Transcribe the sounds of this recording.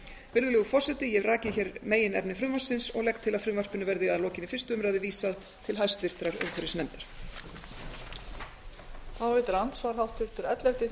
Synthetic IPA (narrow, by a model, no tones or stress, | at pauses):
vɪɾðʏlɛɣʏfɔr̥sɛt̪ɪjɛvraːcɪçɛɾmeːjɪnɛpnɪfɾʏmvḁsɪnsɔɣlɛk̚t̪ʰːɪlaðfɾʏmvar̥pɪnʏvɛɾðɪɣaðloːcɪnɪfɪr̥st̪ʏʏmɾajðɪviːsað | t̪ʰɪlɦajst̪vɪr̥t̪ɾaɾʏ̰mkʰvɛɾɪsnɛmt̪ɪɾ̥ | θawvɛt̪ʏɾant̪svaɾ̥ɦawht̪ʰʏɾ̥t̪ʏɾɛt̪lɛft̪ɪ